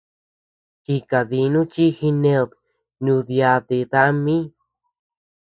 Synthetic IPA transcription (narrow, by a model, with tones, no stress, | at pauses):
t͡ʃi˧ka˨ði˧nũ˦t͡ʃi˦xi˧nẽ˧ð | nũ˧ðja˧ðe˧˨ða˦mĩ˦